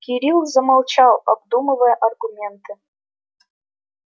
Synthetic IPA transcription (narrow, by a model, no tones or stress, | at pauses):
kʲiɾʲilˠzɐmɑlˠt͡ɕɑlˠɐb̚d̪uməvəjəʔɐrɡumʲent̪ɨ